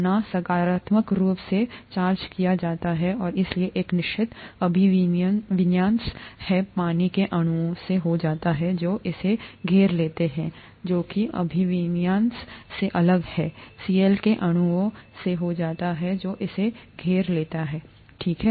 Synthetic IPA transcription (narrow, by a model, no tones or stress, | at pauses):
nasɐkaːɾaːt̪məkɾuːpset͡ʃaːɾd͡ʒkijad͡ʒaːt̪aɦɛɔːɾɪslieʔeːknɪʃt͡ʃɪt̪ɐbʱinʋɪnjãːnshɛpaːnikeʔɐɽ̃uõseɦod͡ʒaːt̪aɦɛd͡ʒoːʔɪseɡʱeːɾleːt̪eɦɛ̃ | d͡ʒoːkiʔɐ̰bʱiʋnjaːnsseʔɐləɡhɛːsiːelkeʔɐɽ̃ʊõseɦod͡ʒaːt̪aɦɛd͡ʒoːʔɪseɡʱeːɾleːt̪aɦɛː | ʈʰiːkɦɛ